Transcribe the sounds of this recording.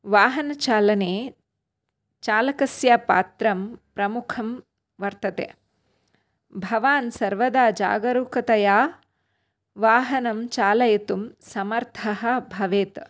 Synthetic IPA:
ʋaːɦɐnɐt͡ʃaːlɐneː | t͡ʃaːlɐkɐsjaːpa̰ːt̪ɾɐmpɾɐmukʰɐm | ʋɐɾt̪ɐt̪ḛː | bʱɐʋaːnsɐɾʋɐd̪aːd͡ʒa̰ːɡɐɾuːkɐt̪ɐjaː | ʋaːɦɐnɐmt͡ʃaːlɐjɐt̪umsɐmɐɾt̪ʰɐɦɐ̆bʱɐʋeːt̪

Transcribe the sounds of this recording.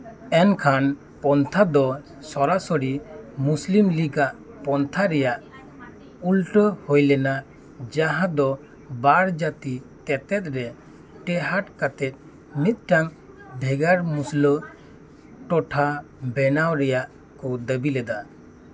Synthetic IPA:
ɛnkʰan | pɔnt̪ʰad̪ɔ | sɔɾasɔɽimuslimliɡaʔpɔnt̪ʰaɾɛjaʔ | ulʈəhojlɛna | d͡ʒaɦãd̪ɔ | baɾd͡ʒat̪it̪ɛt̪ɛt̪̚ˀɾɛ | ʈɛɦaʈkat̪ɛt̪̚ˀ | mit̪̚ˀʈaŋ | bʱɛɡaɾmuslə | ʈɔʈʰa | bɛnawɾɛjaʔ | kɔd̪əbilɛd̪a

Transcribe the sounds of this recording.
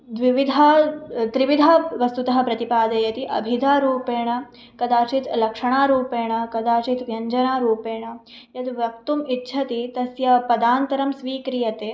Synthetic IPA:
d̪ʋiʋid̪ʱaːt̪ɾiʋid̪ʱaʋɐst̪ut̪ɐɦɐ̆pɾɐt̪ipaːd̪ɐjɐt̪iʔɐ̰bʱid̪ʱaːɾuːpeːɳɐ | kɐd̪aːt͡ʃit̪lɐkʂɐɳaːɾuːpeːɳɐkɐd̪aːt͡ʃit̪ʋjɐɲd͡ʒɐnaːɾuːpeːɳɐ | jɐt̪ʋjɐk̚t̪umitːʃʰɐt̪it̪ɐsjɐpɐd̪aːnt̪ɐɾɐmsʋiːkɾijɐt̪eː

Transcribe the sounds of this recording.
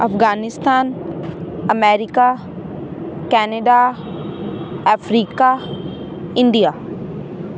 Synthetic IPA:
ɐfɡaːnɪst̪aːn | ɐmɛːɾɪka | kɛːneɖa | əfʰɾiːka | ɪɳɖijaː

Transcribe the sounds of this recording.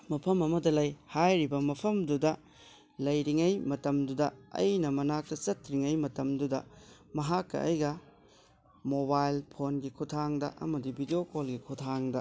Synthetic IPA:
mɐpʰɐmɐmɐdɐlɐjhajɾibɐmɐpʰɐmdudɐ | lɐjɾiŋɐjmɐtɐmdudɐɐ̰jnɐmɐnak̚tɐt͡ʃɐtɾiŋɐjmɐtɐmdudɐ̰ | mɐɦakːɐ̰ɐ̰jɡɐ | mobajlpʰonɡikʰutʰaŋdɐ̰ʔɐ̰mɐdibʱidiokolɡikʰutʰaŋdɐ

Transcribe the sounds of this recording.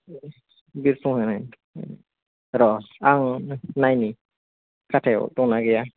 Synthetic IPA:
biɾsuŋhɛnajn | ɾɔaŋnajni | katʰɛɔ̰t̪ɔŋnaɡɛja

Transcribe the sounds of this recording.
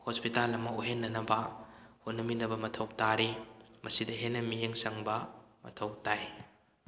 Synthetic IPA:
hospitalɐmɐuɦenːɐnɐbɐhonɐminɐbɐmɐtʰɐwtaɾimʔɐsidɐɦenːɐmieŋsɐŋbɐ | mɐ̰tʰɐwtaj

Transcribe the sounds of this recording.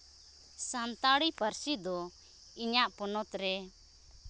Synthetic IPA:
sant̪aɽipəɾsid̪ɔ | iɲaʔpɔnɔt̪ɾɛ

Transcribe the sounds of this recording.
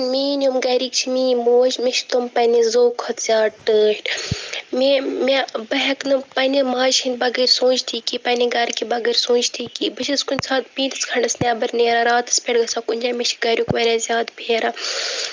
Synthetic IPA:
miːnʲumɡɐːɾiːkt͡ʃʰimiːmoːʃmeʃt̪ompɐnizoːkʰɐt̪z̥ʲaːʈɨːʃʈmemebɐɦɐknɨpɐnemaːʃhinbɐɡɐɾʲsõːnd͡ʒt̪ʰiːkiːpɐnʲiɡɐɾkibɐɡɐɾʲsõːnd͡ʒt̪ʰiːkiːbɨʃʰɐskunʲsaːt̪pĩːt̪ɨ̥skʰɐɳɖɐsnʲɛːbɐɾneːɾaːɾaːt̪ɨ̥spʲeɽɡɐsaːkunʲd͡ʒaːmet͡ʃʰɡɐːɾʲjuːkʋɐɾʲaːzʲjaːd̪bʱʲeːɾaː

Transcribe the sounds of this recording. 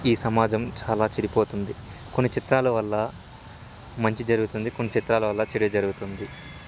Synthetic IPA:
iːsɐmaːd͡ʒɐmt͡ʃaːlaːt͡ʃɐɽipoːt̪und̪i | ko̞nːit͡ʃit̪ɾaːlɐʋɐlːɐ | mɐɲt͡ʃid͡ʒɐɾuɡut̪und̪iko̞nːit͡ʃit̪ɾaːlɐʋɐlːɐt͡ʃeɽid͡ʒɐɾuɡut̪und̪i

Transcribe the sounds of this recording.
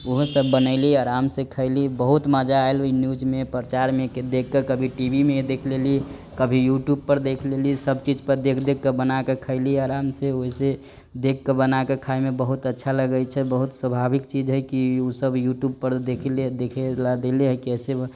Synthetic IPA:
oɦsəbːənəɪliaɾamsekʰəɪlibəɦut̪məd͡ʒaaelinjud͡ʒmepɾət͡ʃaɾmeked̪ekːekəbʱiʈibʱimed̪ekʰleli | kəbʱijuʈjub̚pəɾd̪ekʰlelisəbt͡ʃid͡ʒpəɾd̪ekʰd̪ekːebənakekʰəɪliaɾamseoɦise | d̪ekːebənakekʰajmebəɦut̪ətːʃʰaləɡət͡ʃʰɛbəɦut̪swəbʱabikt͡ʃid͡ʒɦəjkiusəbjuʈjub̚pəɾd̪ekʰled̪ekʰelad̪eleɦəkiəse

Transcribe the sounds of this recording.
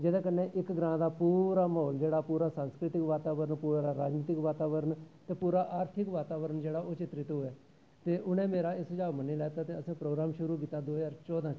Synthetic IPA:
d͡ʒɪd̪ẽːkənːẽːʔɪkɡɾãːd̪aːpuːɾaːmɔɦɔːld͡ʒeːɽaːpuːɾaːsãːnskɾɪt̪ɪkʋaːt̪aːʋəɾənpuːɾaːɾaːd͡ʒniːt̪ɪkʋaːt̪aːʋəɾənt̪eːpuːɾaːʔaːɾt̪ʰɪkʋaːt̪aːʋəɾənd͡ʒeːɽaːʔoːt͡ʃɪt̪ɾɪt̪ɦʊɛː | t̪eːʔʊnẽːmeːɾaːɪsd͡ʒaːʋməniːlɛːt̪aːt̪eːəsãːpɾoːɡɾaːmʃʊɾuːkiːt̪ːaːd̪oːɦzaːɾt͡ʃɔːd̪ãː

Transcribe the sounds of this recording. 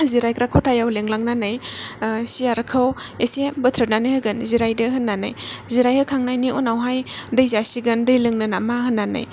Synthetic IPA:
ziɾajkɾakʰowtʰajawleŋlaŋnanɯj | siaɾɐkʰɐwesebətʰɾɯt̚nanajhaɡɯnziɾajdɐhɯnːana̰jziɾajhɯkʰaŋnajniunawɦajdɐjzasiɡɯndɯjlɯŋnɯnamahɯnːana̰j

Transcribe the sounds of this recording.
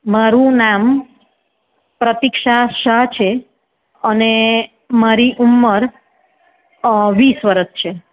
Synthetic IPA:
maɾũnam | pɾət̪ikʃaʃəɦt͡ʃʰe | əne | maɾiʔumːəɾ | ʋisʋəɾəst͡ʃʰe

